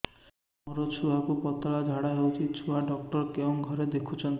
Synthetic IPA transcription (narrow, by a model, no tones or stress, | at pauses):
moɾot͡ʃʰuakupɔt̪aɭad͡ʒʱaɽaɦewt͡ʃʰit͡ʃʰuaɖɔk̚ʈɔɾkebɔŋɡʱɔɾed̪ekʰut͡ʃʰɔnt̪